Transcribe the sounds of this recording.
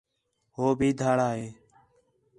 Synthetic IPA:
ɦoːbʱiːd̪ʱaːɽaːɦeː

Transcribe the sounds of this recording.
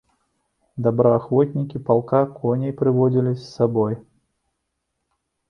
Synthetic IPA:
d̪abɾɐaxvɔt̪ʲnʲikʲipalˠkakɔnʲɛjpɾɨvɔd͡zʲilʲisːabɔj

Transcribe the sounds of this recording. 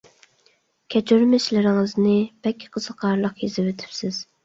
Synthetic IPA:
kʲʰɛt͡ʃʰyɾmɪʃlɪɾɪŋɪznɪb̥ɛlʲkʲʰːi̥qʰəzəqʰɑɾlˠəqjizɪwet̪ʰy̥psɪz̥

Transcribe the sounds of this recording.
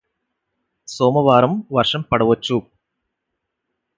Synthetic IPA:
soːmɐʋaːɾɐmʋɐrʂɐmpɐɽɐʋɐt͡ʃːu

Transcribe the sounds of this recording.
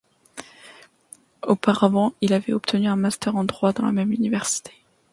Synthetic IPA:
opaʁavɑ̃ilavɛɔpt̪ʰənyɛ̃mast̪œʁɑ̃d̪ʁwad̪ɑ̃la̰mɛmynivɛʁsi̥t̪ʰe̥

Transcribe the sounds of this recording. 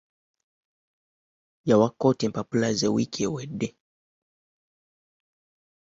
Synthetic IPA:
jawakɔtim̩papulazɛwikʰɛwɛɗɛ

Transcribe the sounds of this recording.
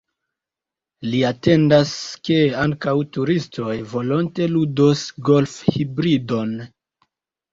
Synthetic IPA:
liate̞ndaske̞aŋkawtuɾisto̞jvo̞lonte̞ludosɡo̞lfhibɾido̞n

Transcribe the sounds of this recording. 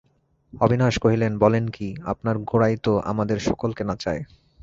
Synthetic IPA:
ɔbʱinaʃkoɦilenbɔlenkia̰pnaɾɡoɽajt̪oʔa̰mad̪eɾʃɔkolkenat͡ɕae

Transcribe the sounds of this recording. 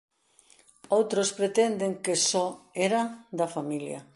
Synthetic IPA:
owt̪ɾospɾet̪end̪eŋkesɔeɾɐd̪ɐfamiljɐ̰

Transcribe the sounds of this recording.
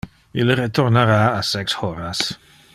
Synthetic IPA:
iləɾetʰɔrnaɾaːsɛkshɔɾas

